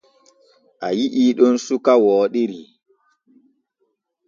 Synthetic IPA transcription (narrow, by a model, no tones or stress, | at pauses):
ʔajiʔiːɗɔnsukawɔːɗiɾi